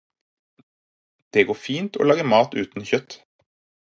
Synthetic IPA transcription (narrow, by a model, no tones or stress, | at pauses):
d̪̥eːɡoːfiːnt̪ʰoːlɑːɡəmɑːt̪ʉːt̪n̩çœt̪